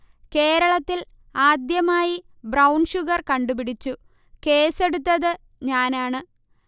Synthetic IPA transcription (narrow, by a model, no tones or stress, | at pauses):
ke̞ːɾɐɭɐt̪ːil | aːd̪jɐmaːji | brɐwɳʂuɣɐrkɐɳɖupiɽit͡ɕːu | ke̞ːse̞ɽut̪ːɐðɨ | ɲaːnaːɳɨ